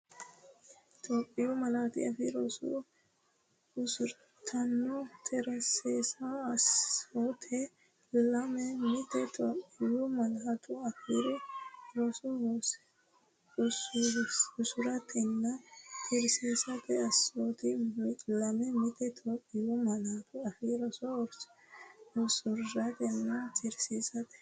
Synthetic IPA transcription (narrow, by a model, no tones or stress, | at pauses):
t̪ʰʼoːpʼːɪjʊmɐlaːt̪ɪ̰jɐ̰fɪɾoːsʊ̰ | ʊsʊɾ | t̪ʰɐnːɔt̪ʰɛɾɐseːsɐɐsoːt̪ʰɛ | lɐmɛmɪt̪ɛt̪ʰʼoːpʼːɪjʊmɐnɦɐt̪ʰʊɐkiɾʊɾɔsʊɔs | ʊsʊʊsʊɾɐt̪ʰɛnːɐtɪɾseːsɐt̪ɛɐsoːt̪ɪlɐmɛmɪt̪ɛt̪ʰʼoːkʼːɪjʊmɐnɐt̪ʊɐfiːɾɔsɔɾ | ɔsʊɾːɐt̪ɛnːɐt͡ʃʼɪɾsiːsɐt̪ɛ̥